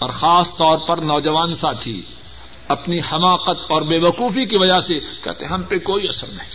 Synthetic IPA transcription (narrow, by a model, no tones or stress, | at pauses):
ɔːɾxaːst̪ɔːɾpɐɾnɔːd͡ʒɐʋaːnsaːt̪ʰḭ | ɐpnihɐmaːqət̪ɔːɾbeːʋɐquːfikiʋɐd͡ʒasekɛ̰ɦt̪ḛ̃ɦɦɐmpekoːiɐsəɾnɐɦĩ̥